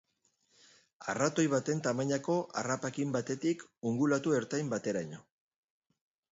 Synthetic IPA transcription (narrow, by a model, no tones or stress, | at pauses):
a̰rat̪o̞jβat̪e̞nt̪amaɲako̞ʔa̰rapakimbat̪e̞t̪ikuŋɡulat̪ueɾt̪ajmbat̪e̞ɾaɲo